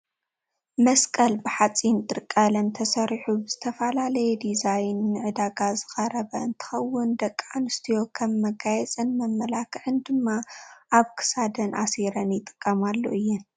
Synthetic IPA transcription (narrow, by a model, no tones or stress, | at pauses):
mɐskʼɐlbɨħat͡sʼint̪ʼɨɾkʼalɐnt̪ʰɐsɐɾħubɨz̥ɨt̪ʰɐfɐlalɐjɛd̪izajnːɨʕɨd̪aɡazɨxʼɐɾɐβɐɨnt̪ʰɨ̥xɐwːʊnd̪ɐkʼːanɨst̪ʰijo̞kʰɐmːɐɡajɛt͡sʼɨnmɐmːɐlakʰʕɨnd̪ɨmːaʔaβkʰɨ̥sad̪ɐnʔaseɾɐnjɪt̪ʼɨ̥kʼːɐmalːo̰ʔɨjːɨn